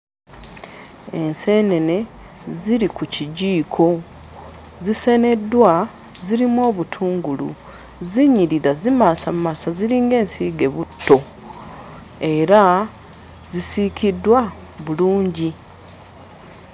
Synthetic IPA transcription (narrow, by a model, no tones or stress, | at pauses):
e̞nse̞ne̞ne̞ | ziɾikuciɟiːkʰo̞ | zise̞ne̞dwa | ziɾimwo̞ːβutʰuːŋɡulṵ | ziɲiɾiðazimasamumasaziɾiːŋɡe̞ːnsiːɡe̞βutːo̞ | e̞ɾa | zisikidwa | βuluːɲɟi